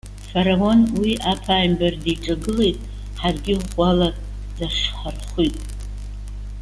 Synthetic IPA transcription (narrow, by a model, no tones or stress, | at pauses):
faɾawo̞nwiʔapʰaːjmberdiʈ͡ʂʼaɡɨle̞jtʼ | ħarɡʲɪala | d̥aʂħarχʷitʼ